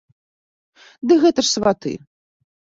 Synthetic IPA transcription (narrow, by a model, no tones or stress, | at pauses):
d̪ɨɣɛt̪ɐʂsvat̪ɨ̰